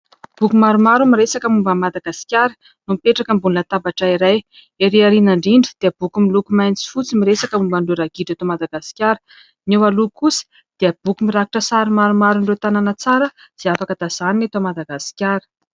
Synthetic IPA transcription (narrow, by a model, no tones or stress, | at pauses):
b̥ukumaɾumaɾumiɾesakəmumbəmad̪aɡasi̥kʲaɾə̥ | numipeʈ͡ʂakəmbunnət̪abaʈ͡ʂaiɾaj | eɾiaɾinaɳɖ͡ʐiɳɖ͡ʐid̪̥eəb̥ukumilukumajnt͡si̥fut͡simiɾesakəmumbaɳɖ͡ʐuɾaɡiɖ͡ʐet̪omad̪aɡasi̥kʲaɾə̥ | niwalukusi̥ | d̪̥iəb̥ukumiɾakiʈ͡ʂəsaɾimaɾumaɾuɳɖ͡ʐet̪ananət͡saɾə | z̥iafakəd̪az̥aninet̪omad̪aɡasi̥kʲaɾə̥